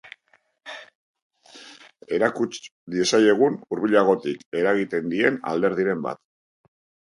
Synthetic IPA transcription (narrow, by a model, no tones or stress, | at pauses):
e̞ɾakut͡ʃd̪iesaje̞ɣ̞unuɾβiʎaɣ̞o̞t̪ike̞ɾaɣ̞it̪e̞nd̪ie̞na̰ld̪e̞ɾð̞iɾe̞mba̰t̪